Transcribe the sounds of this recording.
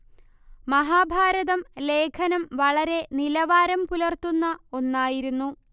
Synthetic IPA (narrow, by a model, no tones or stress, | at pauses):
mɐɦaːbʱaːɾɐðɐmle̞ːkʰɐnɐmʋɐɭɐɾe̞nilɐʋaːɾɐmpulɐrt̪unːɐo̞nːaːjiɾunːu